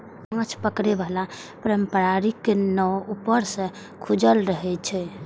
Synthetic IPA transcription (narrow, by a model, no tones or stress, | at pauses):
pãt͡ʃʰpəkɾebalapəɾəmpəɾaɾikenɔupəɾsə̃ | kʰud͡ʒəlɾəɦɛt͡ʃʰɛ